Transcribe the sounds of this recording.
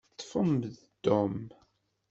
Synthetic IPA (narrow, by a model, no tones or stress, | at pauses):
t̪ːˤfəmð | d̪̥ʊm